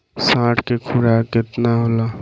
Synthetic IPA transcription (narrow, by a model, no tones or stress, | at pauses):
sãːʈkekʰuɽaket̪naɦola